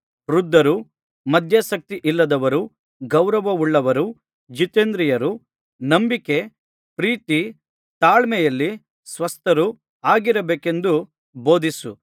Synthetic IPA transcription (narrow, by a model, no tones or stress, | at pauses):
ɾud̪ːɐɾu | mɐd̪ʱjasɐk̚t̪iʔilːɐd̪ɐʋɐɾu | ɡɐwɾɐʋɐuɭːɐʋɐɾu | d͡ʒit̪eːnd̪ɾijɐɾu | nɐmbike̞ | pɾiːt̪i | t̪aːɭmɛjɐlːi | sʋɐst̪ɐɾu | aːɡiɾɐbeːke̞nd̪u | bo̞ːd̪isu